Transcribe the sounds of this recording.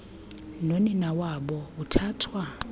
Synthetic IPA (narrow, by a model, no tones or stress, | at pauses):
noninawabɔutʰaːtʰwa